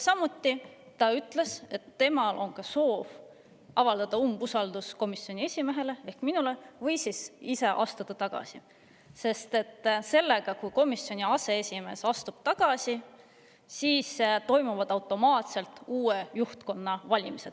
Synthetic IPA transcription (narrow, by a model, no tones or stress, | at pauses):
sɑmut̪ːi | t̪ɑyt̪ˑle̞se̞t̪ːe̞mɑlʔo̞nkɑso̞ːv | ɑvɑld̪̥ɑd̪̥ɑumbusɑld̪̥usko̞misːio̞nʲie̞sʲime̞ɦe̞le̞e̞hkminule̞vɤjsisise̞ʔɑ̰st̪ud̪̥ɑt̪ɑɡ̥ɑ̰si | se̞st̪e̞t̪ːˑse̞lːe̞ɡ̥ɑkujko̞misːjo̞nʲiɑse̞esʲime̞ːsɑst̪ub̥̚t̪ɑɡ̥ɑsi | siːst̪o̞jmuvɑd̪̥ɑwt̪ːˑo̞mɑːt̪se̞lt̪uːejuht̪ko̞nːɑvɑlʲimised̪